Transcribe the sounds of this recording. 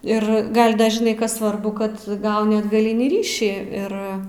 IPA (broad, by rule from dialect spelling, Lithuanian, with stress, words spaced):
ɪr ˈɡɐlʲ ˈdɐ ʒʲɪˈnɐɪ ˈkɐs ˈsʋɐrbʊ ˈkɐt ˈɡɐʊnʲɪ ɐdɡɐˈlʲɪnʲiː ˈrʲiːʃʲiː ˈɪr